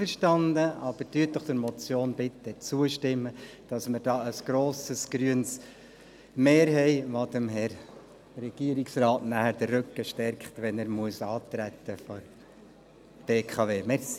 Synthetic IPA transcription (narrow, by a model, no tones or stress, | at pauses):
əɾʃtɑndəʔɑb̥əɾd̥yːt̚dɔχd̥̪əɾmɔt͡sjoːnbɪt̪ːət͡suəʃtɪmːəd̥ɑsməɾdɑːəsɡ̥ɾoːsəsɡ̥ɾyəns | meːɾɦɛɪʋod̪əmɦɛɾ | ɾɛɡ̥iəɾiksrɑːtnæhəɾd̥̪ərːɵkːəʃtɛɾkχtʋɛnɛɾmuəsɑːt̪ɾæt̪ːəfɔɾ | b̥eːkʰɑʋeːmɛs